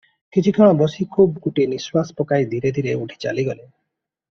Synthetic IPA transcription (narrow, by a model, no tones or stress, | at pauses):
kit͡ʃʰikʰɔ̃ɔbɔsikʰubkuʈiniswaspɔkajd̪ʱiɾed̪ʱiɾeuʈʰi̥t͡ʃa̰liɡɔle